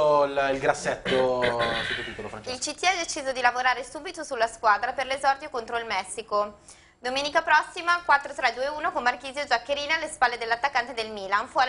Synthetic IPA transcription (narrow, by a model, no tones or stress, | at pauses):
lilɡɾasːɛt̪ːosut̪ːup̪it̪ːolofɾailt͡ʃit̪ːiɛd̪et͡ʃiːzod̪ilavoɾaːɾesuːbit̪osulːaskwaːd̪ɾaperlezɔrd̪jokont̪ɾoilmɛsːiko | d̪omeːnikapɾɔsːimakwat̪ːɾot̪ɾɛd̪uːeuːnokomːark̟iːzjod͡ʒakːeɾiːnealːespalːed̪elːat̪ːakːant̪ed̪elmiːlanfɔ